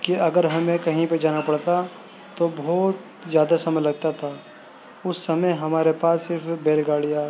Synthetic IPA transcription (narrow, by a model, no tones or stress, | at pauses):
kiɐɡəɾɦɐmẽkɐɦĩped͡ʒaːnapɐɽt̪a | t̪obɔːt̪ | zjaːd̪asɐməlɐɡ̚t̪at̪ʰaː | ʊsːɐməɦɐmaːɾepaːsːɪɾfbeːlɡaːɽija